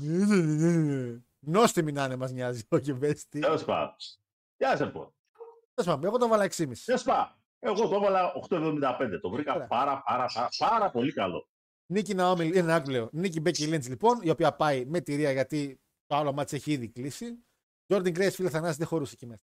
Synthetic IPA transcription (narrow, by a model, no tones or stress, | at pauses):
nenenenene | no̞st̪iminɐnemɐzɲɐziocevest̪iespɐ̰ | t̪jɐsɐlipo̰n | espɐameɣo̞t̪ovɐlɐeksimisespɐ | eɣot̪ovɐlɐʔoxt̪oevðomind̪ɐpend̪et̪o̞vɾikɐɾɐɐɾɐpɐɾɐpɐpɐɾɐpo̞likɐlo̞̰ | nicinɐomilinnɐkpleonicibecilinslipo̞nio̞piɐpɐime̞t̪iɾiɐʝɐt̪i | t̪oɐlomɐt̪se̞çiiðiklisi | d͡ʒo̞ɾd̪ɐŋɡɾesfilθɐnɐsðexo̞ɾusecimesɐ